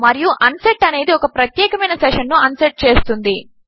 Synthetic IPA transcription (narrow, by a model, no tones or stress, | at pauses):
mɐɾijuʔɐnseʈːɐne̞ːd̪iɔkɐpɾɐt̪jɛːkɐmɐjnɐseʂɐnːuɐnsɐʈ̚t͡ʃe̞ːst̪und̪i